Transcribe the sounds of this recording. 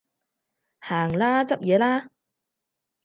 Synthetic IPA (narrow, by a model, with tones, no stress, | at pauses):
haː˨˩ŋlaː˥t͡sɐ˥p̚jɛː˨˧laː˥